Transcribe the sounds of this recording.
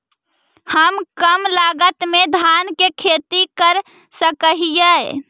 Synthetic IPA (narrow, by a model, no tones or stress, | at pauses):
həmkəmlaɡət̪med̪ʱankekʰet̪ikəɾ | səkəɦijə